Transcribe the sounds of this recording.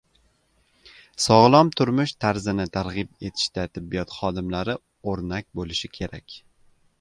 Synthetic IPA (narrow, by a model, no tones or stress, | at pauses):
sɒʁlˠɒmt̪ʰʊɾmʊʃt̪ʰaɾzɪnɪt̪ʰaɾʁɪb̚e̞t̪ʰɪ̥ʃt̪at̪ʰɪbːijɒt̪χɒd̪ɪmlaɾɪ | oɾnak̚ʲbolɪʃɪkʲʰe̞ɾakʲ